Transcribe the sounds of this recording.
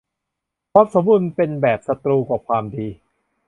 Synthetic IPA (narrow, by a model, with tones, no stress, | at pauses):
pʰɾɔː˦˥p̚so˩˦mbu˧npe˧nbɛː˨˩p̚sa˧t̪ɾuː˧kɔː˨˩kʰwaː˧mdiː˧